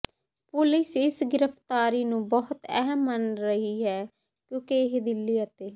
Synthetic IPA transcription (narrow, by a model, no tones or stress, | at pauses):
pʊlɪsɪsɡɪɾəfʰt̪aːɾiːnũːbɔɦʊt̪ɛɦəmːənɾəɦiːɦɛː | kjõːkeɪɦd̪ɪlːiːaət̪eː